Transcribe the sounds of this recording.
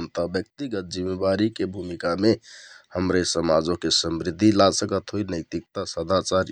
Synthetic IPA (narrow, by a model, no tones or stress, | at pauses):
nt̪əbjək̚t̪iɡət̪̚d͡ʒimːebaɾikebʱumikamehəmɾesəmad͡ʒokesəmɾid̪ʱːilasəkət̪ɦojnəjt̪ik̚t̪asəd̪ʱat͡ʃaɾ